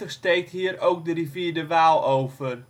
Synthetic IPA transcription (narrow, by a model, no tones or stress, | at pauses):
əχstejk̚tɦiːəɾowk̚dəriviːdəʋaːlˠowvər